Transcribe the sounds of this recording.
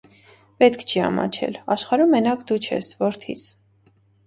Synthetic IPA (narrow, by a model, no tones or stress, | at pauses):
pɛt̪kʰt͡ʃʰiɑ̰mɑ̰t͡ʃʰɛ̰lɑʃχɑɾumːɛnɑkʰd̪ut͡ʃʰɛ̰svɔɾt̪ʰḭs